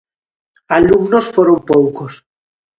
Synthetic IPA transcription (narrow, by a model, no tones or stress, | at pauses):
alumnosfoɾompowkos